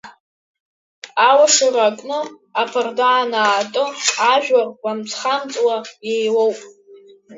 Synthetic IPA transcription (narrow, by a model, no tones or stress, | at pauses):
awaʂirakʼnɨ | apʰardaːnaːtʼɨaʒᶣawamt͡sʰχamt͡sʼwajejwowpʼ